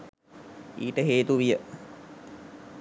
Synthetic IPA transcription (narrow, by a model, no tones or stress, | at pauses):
ḭːʈəɦeːt̪uʋijə